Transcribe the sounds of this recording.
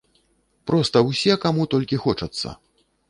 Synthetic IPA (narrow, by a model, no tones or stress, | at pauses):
pɾɔst̪ɐwsʲɛkamut̪ɔlʲkʲixɔt͡ʂɐt̪sːɐ̰